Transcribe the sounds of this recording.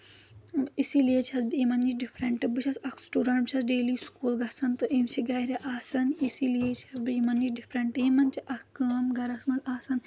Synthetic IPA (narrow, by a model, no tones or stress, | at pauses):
isilijet͡ʃʰɐsbɨimɐnit͡ʃɖipʰɾɐɳʈɨbɨt͡ʃʰɐsɐkʰsʈuɖɐɳʈbɨt͡ʃʰɐsɖeːliːskuːlɡɐsɐnt̪ɨʔimt͡ʃʰiɡɐːɾʲɐʔaːsɐnisilijet͡ʃʰɐsbɨjimɐnit͡ʃɖipʰɾɐɳʈjimɐnt͡ʃʰiʔɐhkɐːmɡɐɾɐsmɐzaːsɐn